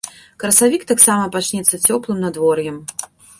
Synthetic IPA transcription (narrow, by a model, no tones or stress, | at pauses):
kɾɐsavʲikt̪aksamɐpat͡ʃnʲɛt̪sːɐt͡sʲɔplˠɨmnad̪vɔrjɛm